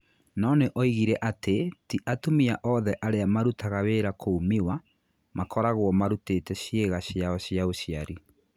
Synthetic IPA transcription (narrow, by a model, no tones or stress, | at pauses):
nɔneʔɔiɣiɾɛʔatetiʔatomiaʔɔðɛʔaɾeamaɾutaɣaweɾakʰoumiwa | makʰɔɾaɣwɔmaɾuteːtɛɕjeɣaɕjaɔɕjaoɕjaɾi